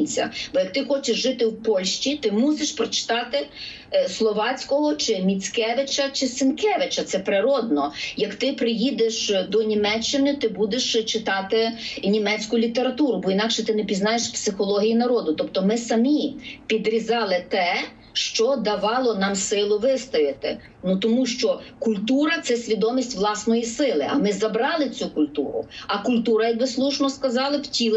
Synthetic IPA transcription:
t͡sʲːɐ̰b̥ɔjɐkt̪ɪxɔt͡ʃeʃʒɪt̪ɪwpɔlʲʃt͡ʃʲit̪ɪmuseʃpɾɔt͡ʃɪ̥t̪ɑt̪ɪ | slˠɔʋɑt͡sʲkɔɦɔt͡ʃɪmʲit͡sʲkɛʋɪt͡ʃɐt͡ʃɪsɪnkɛʋɪt͡ʃɐt̪sɛpɾɪɾɔd̪̚nɔjɐkt̪ɪpɾɪjid̪eʃd̪ɔnʲimɛt͡ʃːɪnɪt̪ɪbud̪eʃt͡ʃɪt̪ɑt̪ɪnʲimɛt͡sʲkʊlʲit̪eɾɐt̪uɾʊbɔinɑkʃɛt̪ɪnɛpʲiznɑjeʃpsɪxɔlˠɔɦʲijinɐɾɔd̪ʊt̪ɔp̚t̪ɔmɪsɐmʲipʲid̪ɾʲizɑlˠɪt̪ɛ | ʃt͡ʃɔd̪ɐʋɑlˠɔnɑmsɪlˠʊʋɪst̪ɔjɪt̪ɪ | nut̪ɔmuʃt͡ʃɔkʊlʲt̪uɾɐt̪sɛsʲʋʲid̪ɔmʲisʲtʲʋlˠɑsnɔjisɪlˠɪʔɐmɪzɐbɾɑlˠɪt͡sʲukʊlʲt̪uɾʊ̰ɐkʊlʲt̪uɾɐjɐk̚bɪslˠuʃnɔskɐzɑlˠɐwtʲilˠ

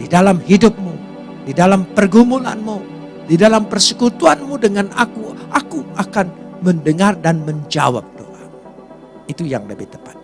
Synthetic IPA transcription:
didalamɦidʊp̚mu | didalampərɡumula̰nmu | didalampərsəkut̪uanmudəŋanakuʔakuakanməndəŋardanməɲd͡ʒa̰wa̰p̚d̪o̰ʔa̰ŋ | it̪uja̰ŋləbit̪əpḁt̪̚

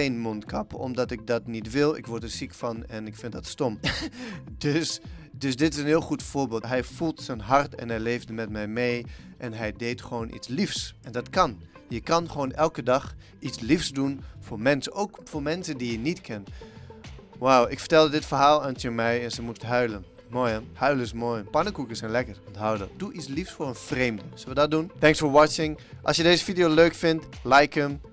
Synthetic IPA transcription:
enmɔntkɑpɔ̰mdɑtɪk̚dɑtnitʋɪlˠɪ̰kʋɔɹdəsikfɑnɛnɪkfɪntdɑtstɔm | døsdɵsdɪtɪsənɦɪːlˠχutfʊːɹbeːlˠɦɛjfulˠtsənɦɑrtɛ̰nɦɛjlejvdəmɛtmɛjmejʔɛnɦɛjdejtχəʋownʔḭtslifsɛndɑtkɑn | jəkɑnχəʋownʔɛlˠkədɑχ | itslifsdunfʊːɹmɛnsəowkfʊːɹmɛnsəndijənitkʰɛn | wawɪkfəɹtɛlˠdədɪtfəɹɦaːlˠœntjəmɛjɛnzəmustɦœɥlən | mojəhœɥləsmoːjəpɑnəkukəsɛnlɛkəɹɔntɦawdəd̥uʔitslifsfʊːɹənfrejmdəz̥əlʋədɑt̚duntɛŋksfoːɹʋɑt͡ʃɪŋʔɑlˠsjədejzəfidijoløɥkfɪntlɛjkəm

